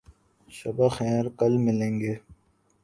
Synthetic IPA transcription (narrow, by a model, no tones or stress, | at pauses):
ʃɐbaxɛːɾkɐlmɪlẽːŋɡeː